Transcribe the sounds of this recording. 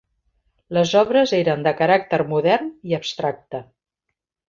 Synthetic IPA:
ləzɔβɾəzeɾənd̪əkəɾak̚t̪əɾmuðɛrniəbst̪ɾak̚t̪ə

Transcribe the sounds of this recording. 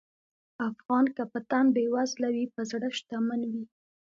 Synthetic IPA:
afɣɑnkapət̪ambewazlawipəzɽəʃt̪amanwi

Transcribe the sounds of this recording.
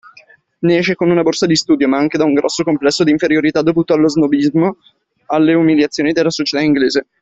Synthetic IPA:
nɛːʃekonunaborsad̪ist̪uːd̪jomaaŋk̟ed̪auŋɡɾɔsːokomplɛsːod̪iːɱfeɾjoɾit̪ad̪ːovuːt̪oalːoznobizmo | alːeumiljat̪sːjoːnid̪elːasot͡ʃe̥t̪aiŋɡleːze

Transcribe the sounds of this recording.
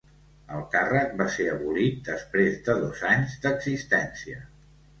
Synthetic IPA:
əlˠkarək̚baseəβulit̪̚d̪əspɾezd̪əðozaɲzd̪əɡzist̪ɛnsiə

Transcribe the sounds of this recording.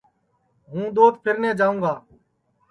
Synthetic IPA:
ɦũːd̪oːt̪pʰɪɾneːd͡ʒaːũːɡaː

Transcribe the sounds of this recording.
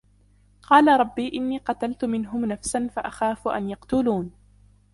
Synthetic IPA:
qɑːlaɾˤɑbːiːʔɪnːiːqɑt̪alt̪ʊmɪnɦʊmnafsanfaʔaxaːfʊʔa̰njɑqt̪ʊluːn

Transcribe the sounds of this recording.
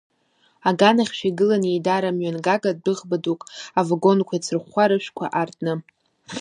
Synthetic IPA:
aɡanaχʲʃʷᶣiɡɨlanejdaɾamɥanɡaɡad̚dɨʁbadukʼavaɡo̞nkʷʰajt͡sʰɨrχʷaɾɨʃʷᶣkʷʰa̰ʔartʼnɨ

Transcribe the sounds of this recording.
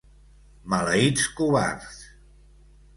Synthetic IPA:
maləiskuβa̰ɾs

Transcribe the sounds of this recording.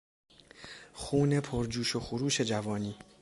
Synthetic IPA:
xuːne̞pʰoɾd͡ʒuːʃoxuɾuːʃe̞d͡ʒævɒːniː

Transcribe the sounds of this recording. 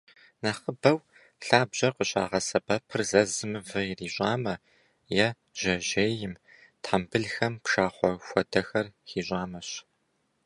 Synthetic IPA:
naχəbɐw | ɬaːbʑɐqəɕʼa̰ːʁɐsɐbɐpʰɨrzɐzɨmɨvɐjriːɕʼaːmɐ | jɛ | ʒ̥ɐʑeːjɪm | tʰħambɨɮxɐmpʃaːχʷɔxʷɔdɐxɐrxiːɕʷʼaːmɐɕ

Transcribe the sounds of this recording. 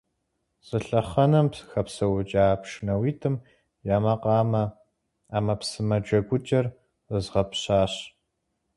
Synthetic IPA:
z̥ʼɨɬɐχɐnɐmpxɐpsɐwʊt͡ʃʼaːpʂnɐwiːtʰɨm | jaːmɐqɑːmɐ | aːmɐpsɨmɐd͡ʒʷɐɡʷʊt͡ʃʼɐr | əzʁɐpɕaːɕ

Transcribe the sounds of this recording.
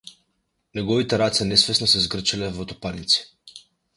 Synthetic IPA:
nɛɡɔvit̪ɛɾat̪sɛnɛsvɛsnɔsɛzɡr̩t͡ʃilɛvɔt̪ɔpanit̪si̥

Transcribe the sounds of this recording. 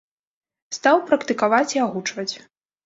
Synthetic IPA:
st̪awpɾɐkt̪ɨkavat͡sʲiaɣut͡ʂvɐt͡sʲ

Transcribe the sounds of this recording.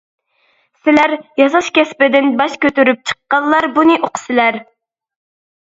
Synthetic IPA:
sɪlæɾjɑzɑʃkʲɛspɪd̪ɪnbɑʃkʲøt̪yɾyp̚t͡ʃʰə̥qːɑlˠːɑɾbunɨʔoqʰə̥sɪlæɾ

